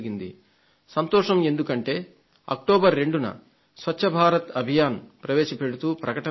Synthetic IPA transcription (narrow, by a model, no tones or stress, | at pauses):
ɡind̪ḭ | sɐnt̪ɔːʂɐme̞nd̪ukɐɳʈe̞ː | ɐ̰k̚ʈoːbɐɾːe̞ɳɖunɐ̰ | sʋɐt͡ʃːʃʰɐbʱaːɾɐt̪ɐbʱijaːnpɾɐʋeːʂɐpe̞ɽut̪uːpɾɐkɐʈɐ